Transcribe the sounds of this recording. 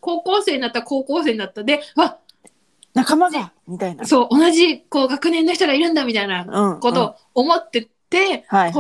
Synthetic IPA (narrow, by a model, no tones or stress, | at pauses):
ko̞ːko̞ːse̞ːɲinat̪ːako̞ːko̞ːse̞ːɲinat̪ːad̪e̞βa | nakamaɡa | mit̪ainso̞ːʔonaʑiko̞ːɡakɯ̟nẽ̞nːoçi̥t̪oɡaiɾɯ̟̃nd̪amʲit̪ainaɯ̃ko̞t̪o̞ː | mo̞t̪ːe̞t̪ːe̞